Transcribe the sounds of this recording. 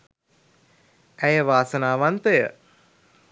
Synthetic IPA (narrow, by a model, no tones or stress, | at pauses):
æjəʋaːsənaːʋant̪əjə̰